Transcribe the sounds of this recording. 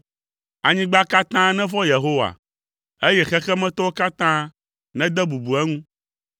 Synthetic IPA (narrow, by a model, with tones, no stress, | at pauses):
a˨ɲĩ˦ɡ͡ba˦ka˦t̪ã˦nɛ̃˦vɔ˦je˨ɦo˦wa̰˨ | e˦jɛ˦xɛ˦xɛ˦mɛ̃˦t̪ɔ˦wo˦ka˦t̪ã˦ | nɛ̃˦d̪ɛ˦bu˨bu˨ɛ˦ŋũ˦